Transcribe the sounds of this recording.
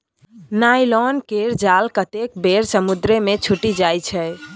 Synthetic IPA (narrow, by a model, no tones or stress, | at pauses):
najlɔnkeɾd͡ʒalkət̪ekbeɾsəmud̪ɾemet͡ʃʰuʈid͡ʒajt͡ʃʰɛ